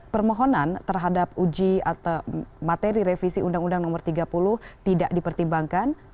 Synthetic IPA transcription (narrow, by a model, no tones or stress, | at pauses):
pərmɔɦɔnant̪ərɦadap̚ud͡ʒia̰t̪awmat̪eɾiɾefisiʔundaŋundaŋnɔmərt̪iɡapulʊht̪idaʔdipərt̪imbaŋkan